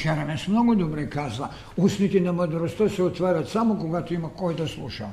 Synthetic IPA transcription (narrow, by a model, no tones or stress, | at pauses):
t͡ʃaɾanesmnoɡod̪obɾajkazla | usnit̪inamad̪ɾost̪aseot̪ʋaːɾat̪samokoɡat̪uimakojd̪aslˠuʃa̰